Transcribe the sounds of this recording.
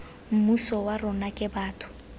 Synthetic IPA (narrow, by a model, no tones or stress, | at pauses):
m̩musɔwarʊnakʼɪbaːtʰʊ̥